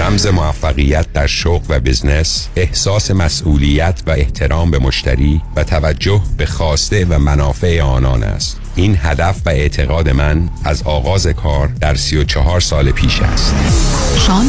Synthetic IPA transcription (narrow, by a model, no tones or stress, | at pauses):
ɾæmze̞mo̞æfːæɣijæt̪̚ʰd̪æɾʃoɣvæbizne̞sehsɒːse̞mæsʔuːlijæt̪ʰvæeht̪ʰe̞ɾɒːmbe̞mo̞ʃt̪æ̰ɾiːvæt̪ʰævæd͡ʒːohb̥e̞xɒːst̪e̞væmænɒːfe̞eɒːnɒːnæ̰st̪ʔiːnɦæd̪æfvæe̞ʔt̪ʰe̞ɣɒːd̪e̞mænæzɒːɣɒːze̞kʰɒːɾd̪æɾsijot͡ʃʰɒɦɒːɾsɒːlepʰiːʃæ̰st̪ʃɒːn